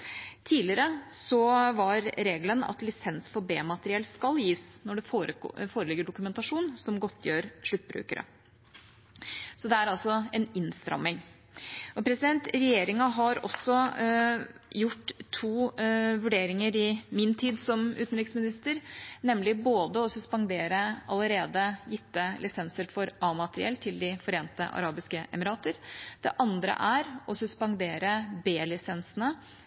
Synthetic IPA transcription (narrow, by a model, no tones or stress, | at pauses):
t̪ʰiːlɪɾəsɔʋɑɾɾeːɡlənɑ̰t̪lɪsɛnsfɔɾbeːmɑt̪əɾɪɛlskɑljiːsnɔɖɛfɾfoːɾəlɪɡːəɖʊkʉmɛnt̪ɑʂuːnsɔmɡɔt̪ʰːjøːɾʂɭʉt̪̚ːbɾʉ̰ːkəɾʔə̰ | sɔd̪ɛæɾɑlsɔɛnɪnst̪ɾɑ̰mːɪŋ | ʔɔpʰɾɛsɪd̪ɛnt̪ɾɛjeːɾɪŋɑɦɑɾɔ̰sːɔ | jʊʈːt̪ʰːuːʋʉɖeːɾɪŋəɾɪmɪnt̪ʰiːd̪sɔmʉːt̪nɾɪksmɪnɪst̪əɾnɛmlɪboːd̪əɔsʉspɑŋd̪eːɾəɑləɾeːd̪əjɪt̪ːəlɪsɛnsəɾfɔɾɑːmɑt̪əɾɪ̰ɛ̰lt̪ʰːɪld̪ɪfɔɾeːnt̪ə̰ʔɑ̰ɾɑːbɪskəʔɛ̰mɪɾɑːt̪əɾd̪̥ɛ̰ʔɑnd̪ɾə̰ʔæɾɔsʉspɑŋd̪eːɾəbeːlɪsɛnsənə